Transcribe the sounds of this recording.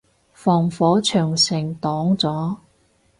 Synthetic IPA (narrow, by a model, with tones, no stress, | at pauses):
fɔː˨˩ŋfɔː˨˥t͡ʃʰœː˨˩ŋsɪ˨˩ŋt̪ɔː˨˥ŋt͡sɔː˨˥